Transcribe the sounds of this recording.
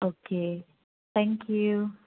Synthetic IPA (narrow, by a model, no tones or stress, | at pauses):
okʰe | θɛ̃ŋkʰju